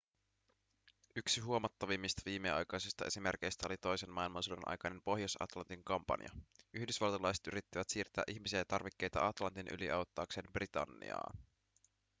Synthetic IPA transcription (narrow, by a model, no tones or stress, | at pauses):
yksiɦuomɑt̪ːɑʋimːist̪ɑʋiːmːeɑ̰jkɑjsist̪ɑʔe̞simerk̟ejst̪æo̞lit̪o̞jsenmɑilmɑnsudenʔɑ̰jkɑjne̞mpo̞ɦjosɑ̰t̪lɑnt̪iŋkɑmpɑ̰nj̰ɑ̰yhdysʋɑlt̪ɑlɑjset̪y̰ɾit̪ːiʋæt̪siːrt̪ːˑæːʔiçmisiæjɑt̪ɑrʋikːe̞jt̪ɑ̰ɑt̪lɑnt̪inʔy̰liʔɑwt̪ːɑːkse̞ːmbrit̪ɑ̰nːḭɑ̰ː